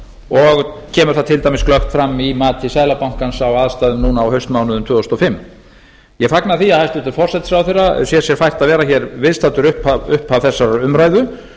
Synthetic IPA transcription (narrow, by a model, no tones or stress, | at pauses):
ɔɣcʰɛːmʏɾ̥θaðt̪ʰɪlt̪ajmɪsklœxt̪fɾamːimaːt̪ʰɪsaːjlapawŋ̥kansawaðst̪aːðʏmnuːnaːwhœɥst̪mawnʏðʏmt̪ʰvʏːst̪ɔfɪmː | jɛɣfaknaθiaðhajst̪ʏt̪ɪɾfɔr̥sɛt̪sawθɛrasjɛ̥sjɛɾ̥fajr̥t̪aðvɛːɾaçɛɾvɪðst̪aːt̪ʏɾʏhpaʏhpavθɛsːaɾaʏmɾaːjðʏ